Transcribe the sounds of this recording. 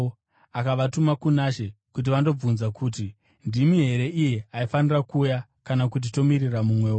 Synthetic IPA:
akaʋatumakunaʃe̞kut̬iʋando̞b͡vunzakuːti | ndimiɦe̞ɾe̞ʔije̞aifanirakuːja | kanakut̬ito̞miriramumwe̞ːo

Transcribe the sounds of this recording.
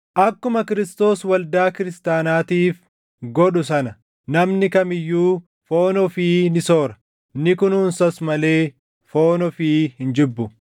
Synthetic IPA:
ʔɐkːʊmɐkɪɾɪst̪o̞ːswɐld̪aːkɪɾɪst̪aːnaːt̪iːf | ɡɔɗʊs̬ɐnɐ | nɐmnɪkɐmɪjːuː | fo̞ːnɔfiːnɪso̞ːɾɐ̥ | nɪkʊnuːnsɐsmɐle̞ː | fo̞ːnɔfiːhɪnd͡ʒɪbːʊ

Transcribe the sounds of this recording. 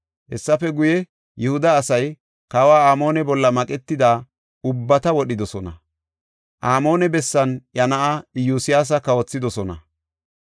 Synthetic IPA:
hɛsːɐfɛɡʊjɛ | jɛhʊd̪ɐːsɐj | kawaːaːmo̞ːnɛbɔlːɐmɐkʼɛt̪ːɪd̪aː | ʊbːɐt̪ɐwɔɗɪd̪ɔsɔnɐ | ʔaːmo̞ːnɛbɛsːɐnjɐnɐʔɐɪjuːsɪjaːs̬ɐkɐwɔt͡sːɪd̪ɔsɔnɐ

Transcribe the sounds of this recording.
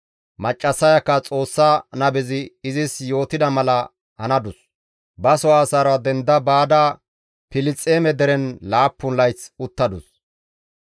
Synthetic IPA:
mɐt͡ʃʼːɐsːɐjɐkːɐt͡sʼo̞ːsːanɐbɪzɪːzɪsjo̞ːt̪ɪd̪ɐmɐlɐ | hɐnɐd̪ʊs | bɐsɔaːsaːɾɔwad̪ɛnd̪ɐbaːd̪aː | pɪlɪt͡sʼːeːmɛd̪ɛɾɛnlaːpːʊnlɐjt͡sʊt̪ːɐd̪ʊs

